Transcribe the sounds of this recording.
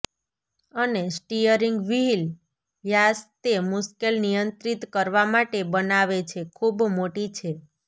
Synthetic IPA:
ənesʈijəɾiŋɡʋiɦil | ʋjast̪emuskelnijənt̪ɾit̪kəɾʋamaʈebənaʋet͡ʃʰekʰubmoʈit͡ʃʰe

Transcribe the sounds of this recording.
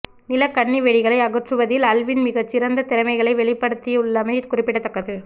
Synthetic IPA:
nɪlɐkɐɳːiʋɛɽɪɣɐɭɐɪɐɣɯʈrɯʋɐðɪlɐlʋɪnmɪɣɐt͡ʃːɪɾɐnd̪ɐt̪ɛɾɐmɐɪɣɐɭɐɪʋɛɭɪpːɐɽɯt̪ːiʊɭːɐmɐɪkʊrɪpːɪɽɐt̪ːɐkːɐðɯ

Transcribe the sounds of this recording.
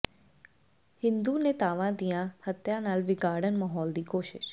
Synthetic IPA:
hɪ̃nd̪uːneːt̪aːʋãːd̪ijãːhət̪jãːnaːlʋɪɡaːɽənmaːɦɔːld̪iːkoːʃɪ̰ʃ

